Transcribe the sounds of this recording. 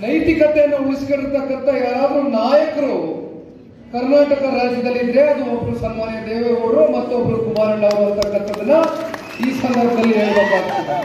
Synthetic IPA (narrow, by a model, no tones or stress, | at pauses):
nɐjt̪ikɐt̪ɛjɐnːuuɭisi̥keɽiɾt̪ɐkːɐnt̪ɐjaːɾaːd̪ɾunaːjɐkɐɾu | kɐɾnaːʈɐkɐɾaːd͡ʒɐd̪ɐlːinɾeɐd̪uobɐɾusɐnmaːnjɐd̪eːʋeːoːɾumɐt̪ːuobɐɾukumaːɾɐɳɖɐɾuɐɾt̪ɐkːɐkːɐd̪ɐnːɐ | iːsɐnd̪ɐɾbʱɐd̪ɐlːiɦeːɭbeːkaːɡut̪ːɐe